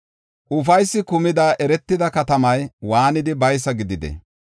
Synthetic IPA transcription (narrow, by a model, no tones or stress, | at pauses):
ʔʊfɐjsːɪkʊmɪd̪aːʔɛɾɛt̪ːɪd̪ɐkɐt̪ɐmɐjwaːnɪd̪ɪbɐjs̬ːɐɡɪd̪ɪd̪ɛ̰